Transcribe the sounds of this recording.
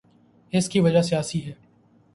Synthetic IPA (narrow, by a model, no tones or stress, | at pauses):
ɪskiʋɐd͡ʒasijaːsiɦɛː